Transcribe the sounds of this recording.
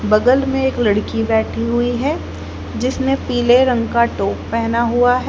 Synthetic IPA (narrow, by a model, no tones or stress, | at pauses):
bɐɡəlmẽeːklɐɽkibɛːʈʰiɦʊiɦɛː | d͡ʒɪsnepiːleɾɐ̃ŋɡkaʈoːppɛɦnaɦuaɦɛ